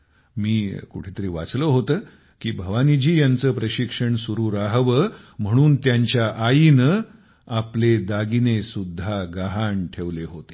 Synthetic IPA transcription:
miːkṵʈʰeːt̪əɾiːʋa̰t͡sləɦot̪əː | kiːbʱəʋanid͡ʑiːjant͡səːpɾəɕikʂəɳsuɾuːɾaɦʋəːm̤əɽ̃uːnt̪jaɲt͡ɕjaʔain | apled̪aɡinesud̪ʱːaɡaɦaɳʈʰeʋleɦot̪e̥

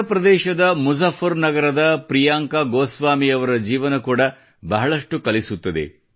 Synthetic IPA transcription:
ɐpɾɐd̪ɛːʃɐd̪ɐmud͡ʒɐfʰːɐɾnɐɡɐɾɐd̪ɐpɾijaːŋkɐɡoːsʋaːmiɐʋɐɾɐd͡ʒiːʋɐnɐkuːɽɐ | bɐɦɐɭɐʂʈukɐlisut̪ːɐd̪ḛ

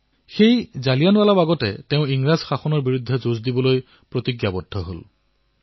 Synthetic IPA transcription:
xejzalijanwalabaɡɔtɛ̰teʊ̃iŋɹazxaxɔnɔɹbiɹudʱːɛzozdibɔloj | pɹotiɡjabɔdʱːɔɦo̰l

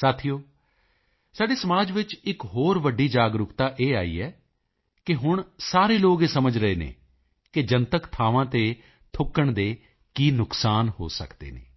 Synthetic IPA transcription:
saːt̪ʰijoː | saːɖeːsəmaːd͡ʒʋɪt͡ʃɪkɦoːɾʋəɖːiːd͡ʒaːɡɾʊkt̪aːʔeːaːḭːɛː | kɪɦʊɳsaːɾeːloːɡeːsəməd͡ʒɾəeːnḛː | kɪd͡ʒənt̪əkt̪ʰaːʋãːt̪eː | t̪ʰʊkːəɳd̪eː | kiːnʊksaːnho̰ːsə̰kd̪ḛːnḛː

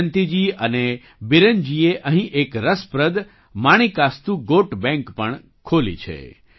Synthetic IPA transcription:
nt̪id͡ʒiəne | biɾənd͡ʒieʔəɦĩʔekɾəspɾəd̪ | maɽ̃ikast̪ũɡoʈbɛ̃ŋkpəɳ | kʰolḭt͡ʃʰḛ

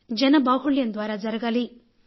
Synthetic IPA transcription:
d͡ʒɐnɐbaːɦuɭjɐnd̪ʋaːɾaːd͡ʒɐɾɐɡɐli

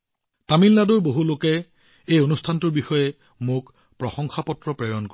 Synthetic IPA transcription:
tamilːadʊɹboɦulokɛ | ejonustʰantuɹbixɔjɛ | mʊk | pɹɔxɔŋxapɔtɹɔpɹɛɹɔnko

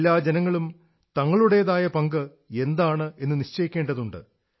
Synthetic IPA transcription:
lːaːd͡ʑenɐŋːɐɭum | t̪ɐŋːɐɭuɽe̞jɐðaːjɐpɐŋɡɨ | e̞nd̪aːɳɨe̞nːɨniɕt͡ɕɐjikʲːe̞ːɳɖɐðuɳɖɨ̰

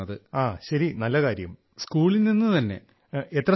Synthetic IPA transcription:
ɐðɨaːɕɐɾinɐlːɐkaːɾjɐm | skuːɭinninːɨt̪ɐnːe̞̰ | et̪rɐ

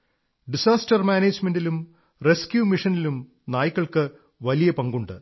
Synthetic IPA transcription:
ɖisaːstɐrmaːneːd͡ʑme̞ndilum | reskjuːmiʂɐnilum | naːjikːɐɭkɨ | ʋɐlijɐpɐŋɡuɳɖɨ

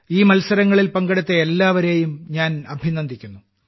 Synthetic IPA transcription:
iːmɐlsɐɾɐŋːɐɭilpɐŋɡɐɽɐt̪ːeelːaːʋɐɾe̞ːjumɲaːnɐbʱinːɐnd̪ʱikʲːunːu

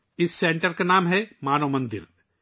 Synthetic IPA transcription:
ɪsːẽːɳʈəɾkanaːmɦɛmaːnoːmɐ̃nd̪ɪ̰ɾ

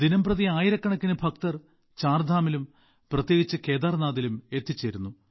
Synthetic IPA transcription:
d̪inɐmprɐðiaːjiɾɐkːɐɳɐkːinɨbʱɐk̚t̪ɐr | t͡ɕaːrd̪ʱaːmilum | prɐt̪je̞ːɡit͡ɕːɨke̞ːd̪aːrnaːðilume̞t̪ːit͡ɕːeɾunːu

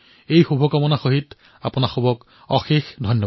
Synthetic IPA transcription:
ejxubʱɔkɔmɔnaxoɦit | a̰pʊnaxobʱɔk | ɔ̰xixdʱɔjnːɔ

